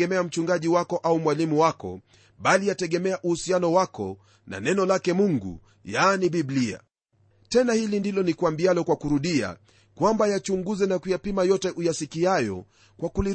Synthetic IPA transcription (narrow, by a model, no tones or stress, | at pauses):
ɛmɛam̩t͡ʃuŋɡaʄiwakɔʔaumwalimuwakɔ̰ | ɓalijatɛɠɛmɛaʔuhusianɔwakɔ̰ | na̰nɛnɔlakɛmuŋɡṵ | janiɓiblia̰ | tɛnahilindilɔnikuambialɔkwakuɾuɗia̰ | kwambajat͡ʃuŋɡuzɛnakujapimajɔtɛʔujasikiajɔ̰ | kwakuli